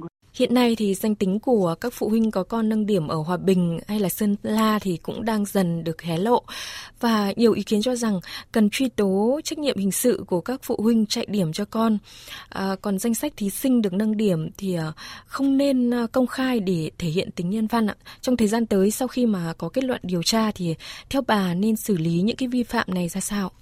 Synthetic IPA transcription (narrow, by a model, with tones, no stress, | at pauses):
hḭ˧˨ənːa˧jt̪ʰi˨˩za˧jŋ̟t̪ï˨˦ŋ̟ku˧˩əkaː˦˥k̚fṵ˧˨hwï˧ŋ̟kɔ˨˦kɔ˧nːə˧ŋɗi˧˩əmʔəː˧˩ɦwaː˨˩ɓï˨˩ŋ̟ha˧jlaː˨˩sə˧nlaː˧t̪ʰi˨˩kʊ̰˧˥ŋ͡mɗaː˧ŋzə˨˩nɗɨ˨˩ək̚hɛ˨˦lo̰˧˨vaː˨˩ɲi˨˩əwʔi˨˦ki˨˦ənt͡ɕɔ˧za˨˩ŋkə˨˩nt͡ɕwi˧t̪o˨˦t͡ɕa˦˥k̟̚ɲḭ˧˨əmhï˨˩ŋ̟sɨ̰˧˨ku˧˩əkaː˦˥k̚fṵ˧˨hwï˧ŋ̟t͡ɕa̰ː˧˨jɗi˧˩əmt͡ɕɔ˧kɔ˧nʔəː˨˩kɔ˨˩nza˧jŋ̟sa˦˥k̟̚t̪ʰi˨˦sï˧ŋ̟ɗɨ˨˩ək̚na˧ŋɗi˧˩əmt̪ʰi˨˩˨xə˧wŋ͡mne˧nkə˧wŋ͡mxaː˧jɗe˧˩t̪ʰe˧˩hḭ˧˨ənt̪ï˨˦ŋ̟ɲə˧nva˧nʔa̰˧t͡ɕɔ˧ŋ͡mt̪ʰəː˨˩jzaː˧nt̪əː˨˦jsa˧wxi˧maː˨˩kɔ˨˦ke˦˥t̚lwə̰˧˨nɗi˨˩əwt͡ɕaː˧t̪ʰi˨˩t̪ʰɛ˧wɓaː˨˩ne˧nsɨ˧˩li˨˦ɲɨ̰˧˥ŋkaː˨˦jvi˧fa̰ː˧˨mna˨˩jzaː˧saː˧w